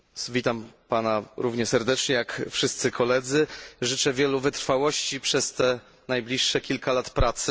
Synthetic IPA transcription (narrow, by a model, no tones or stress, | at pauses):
vʲit̪ampanaɾuvɲɛsɛɾd̪ɛt͡ʂɲɛjakfʂɘst̪sɘkʰɔlɛd̪zɘʐɘt͡ʂɛvʲjɛluvɘt̪ɾfawɔɕt͡ɕipʂɛst̪ɛ | najblʲiʂːɛkʲilkalat̪pɾat̪sɘ